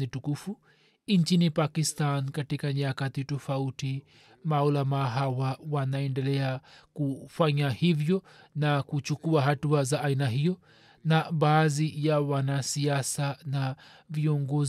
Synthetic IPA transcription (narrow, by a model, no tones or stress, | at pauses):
nitukufu | int͡ʃinipakistankatikaɲakatitɔfauti | maulamaɦawawanaɛndɛlɛakufaɲahivjɔ | nakut͡ʃukuaɦatuazaʔainaɦijɔ | naɓaːðijawanasiasana | viɔŋɡɔ